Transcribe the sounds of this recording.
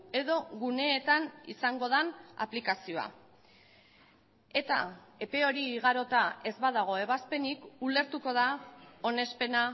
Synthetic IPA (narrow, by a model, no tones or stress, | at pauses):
e̞ðo̞ɣune̞ːt̪anisaŋɡo̞ðana̰plikasio̞a̰ | e̞t̪ae̞pe̞o̞ɾiːɣ̞aɾo̞t̪ae̞zβað̞aɣ̞o̞e̞β̞aspe̞nikule̞ɾt̪uko̞ð̞ao̞ne̞spe̞na